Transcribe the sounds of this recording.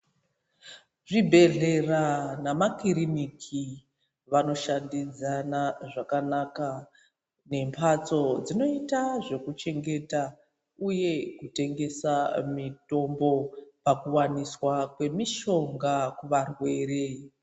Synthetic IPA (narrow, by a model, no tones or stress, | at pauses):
ʐibʱe̞ɮeranamakiɾinikʰi | ʋano̞ʃandid͡zanaʐakanaka | ne̞mpʰat͡so̞d͡zino̞itaʐe̞kut͡ʃe̞ŋɡe̞ta | uje̞kute̞ŋɡe̞samito̞mbo̞pakuwaniswakwe̞miʃo̞ŋɡakuʋarwe̞ːre̞